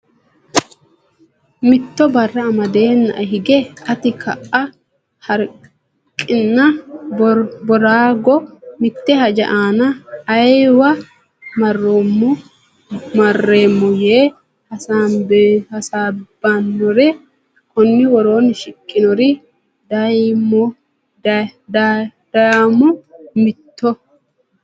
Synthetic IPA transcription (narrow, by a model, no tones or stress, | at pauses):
mɪt̪ːɔbɐrːɐːmɐd̪e̞ːnːɐ̰ʔɐɦɪɡɛɐt̪ɪkʰɐʔːɐ | hɐɾ | kʼːɪnːɐ | bɔɾaːɡɔmɪt̪ːɛhɐd͡ʒɐ̰ʔaːnɐːjwɐ | mɐrːomːɔ | mɐrːeːmːɔjeː | hɐsaːbhɐsaːbːanːɔɾɛ | kʰɔnːɪwɔɾo̞ːnʃɪkʼːɪnɔɾɪ | d̪ɐjmːɔ | d̪d̪amʊmɪt̪ːɔ